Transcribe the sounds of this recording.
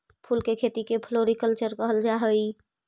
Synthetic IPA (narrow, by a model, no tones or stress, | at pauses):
pʰulkekʰet̪ikepʰloɾikəlt͡ʃəɾkəɦəld͡ʒaɦəi